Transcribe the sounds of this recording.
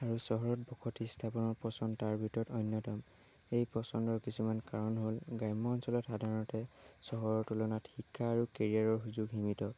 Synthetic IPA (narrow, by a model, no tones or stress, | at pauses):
aɹusɔɦɔɹɔt̚bɔkʰɔtistʰapɔnɔɹpɔsɔndtaɹbʱitɔɔtɔjnjɔtɔm | ejpɔsɔndɔɹkisumankaɹɔnɦolɡajmːɔːnsɔlɔtxadʱaɹɔnɔtɛ | sɔɦɔɹɔtulɔnatxikʰːaːɹukeɹiaɹɔɹɦuzʊɡɦimitɔ